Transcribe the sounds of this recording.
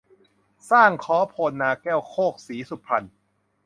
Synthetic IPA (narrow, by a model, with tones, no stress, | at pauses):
saː˥˩ŋkʰɔː˦˥pʰoː˧nːaː˧kɛː˥˩wkʰoː˥˩k̚siː˩˦su˨˩pʰɾa˧n